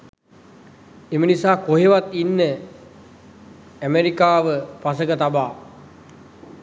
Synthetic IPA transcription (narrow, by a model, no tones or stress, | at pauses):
emənisaːkoɦeʋat̪inːə | æmeɾikaːʋəpas̬əkət̪abaː